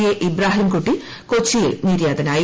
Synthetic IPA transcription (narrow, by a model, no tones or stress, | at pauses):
jeʔibɾaːɦimkuʈːi | kot͡ɕːijḭlniːɾjaːd̪ɐnaːji